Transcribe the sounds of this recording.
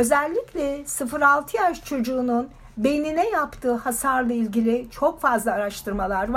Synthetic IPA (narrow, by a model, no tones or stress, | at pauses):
ø̞zɛlʲːicʲlʲɛsɯfɯɾalˠt̪ʰɯjaʃt͡ʃʰo̞d͡ʒuːnun | beninɛjapt̪ʰɯːhasaɾlˠailʲɟilʲɪt͡ʃʰo̞kfazlˠaːɾaʃt̪ʰɯɾmalˠaɾva